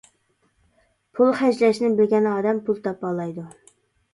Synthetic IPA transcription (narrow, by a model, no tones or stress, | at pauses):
pʰulˠχæd͡ʒlɛʃnɪbɪlɡʲɛnɑːd̪ɛmpʰulˠt̪ʰɑp̚ɑːlˠɑjd̪u